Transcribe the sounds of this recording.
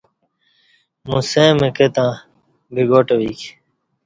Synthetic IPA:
mũsẽːmeket̪ãː | biɡoːʈowik

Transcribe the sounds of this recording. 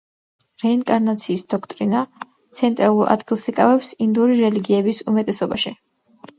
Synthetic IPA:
ɾɛiŋkʼaɾnat̪sʰiːsd̪ɔkʰt̪ʼɾina | t̪sʰɛnt̪ʼɾalˠuɾʔa̰d̪ɡilˠsikʼavɛpsind̪uɾiɾɛliɡiɛbisumɛt̪ʼɛsɔbaʃi

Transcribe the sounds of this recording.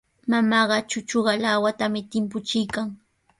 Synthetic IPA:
mamɑːɢɑt͡ʃʊt͡ʃoɢɑlawat̪amɪt̪ɪmp̬ʊt͡ʃɪjkaŋ

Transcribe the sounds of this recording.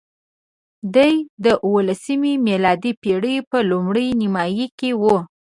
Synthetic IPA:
d̪ajd̪əʔwəlasəmimelɑd̪ipeɽəjpəlumɽəjnɪmɑjikewu

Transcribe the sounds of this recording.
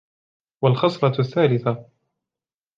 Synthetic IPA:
walxɑsˤɾˤɑθːaːlɪθa

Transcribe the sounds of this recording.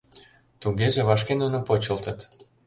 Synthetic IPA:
t̪uɣeʒeβɑʃ̬kenunopot͡ɕəlt̪ə̆t̪

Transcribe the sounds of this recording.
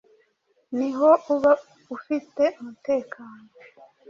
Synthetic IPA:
niɦoʔuβa | ufite̞umute̞ːkʰaːno

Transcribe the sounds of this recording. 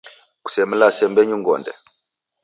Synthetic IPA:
ku̥sɛmulasɛmbɛɲuŋɡɔ̰ndɛ̰

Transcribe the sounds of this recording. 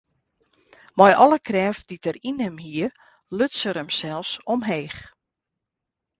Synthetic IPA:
mɔjʔɔləkʰrɛːfditərinɛmhiər | løtsəɾəmsɛlˠsɔmɦeːx

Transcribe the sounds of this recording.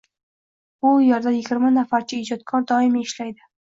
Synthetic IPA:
ʊjaɾd̪anjɪɡʲɪɾmanafaɾt͡ʃʰɪɪd͡ʒɒt̪̚kʰɒɾd̪ɒɪmɪʃlajd̪ɪ

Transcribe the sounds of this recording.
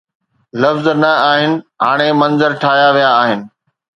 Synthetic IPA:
lɐfznɐaːɦɪnɪ̆ɦaːɽ̃emɐ̃nzəɾʈʰaːjaʋijaːɦɪnɪ̆

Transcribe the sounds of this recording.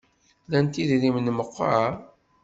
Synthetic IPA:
lænt̪iðɾimnməqːa

